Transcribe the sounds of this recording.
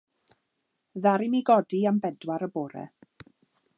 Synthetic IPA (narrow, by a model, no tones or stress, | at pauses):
ðaɾɪmiɡɔdiambɛdwaɾəboːɾɛ̰